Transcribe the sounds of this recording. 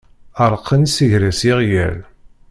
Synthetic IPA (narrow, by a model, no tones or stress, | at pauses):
əɾˤqʰːənsiʝɾæsiʁjæ̰ɾ